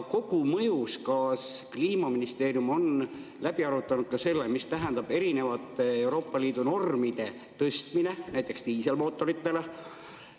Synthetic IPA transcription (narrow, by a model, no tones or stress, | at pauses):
ko̞kumɤ̞juskɑːskliːmɑminist̪e̞ːɾjumo̞n | læbiɑɾut̪ːˑɑnud̪̥̚kɑse̞lːemist̪æɦɛnd̪ɑb̥e̞ɾine̞vɑt̪ːˑe̞wɾo̞ːpːɑliːd̪̥uno̞rmid̪̥e̞ | t̪ɤst̪mine̞næjt̪ːˑe̞kst̪iːse̞lmo̞ːt̪ːˑo̞ɾit̪ːe̞le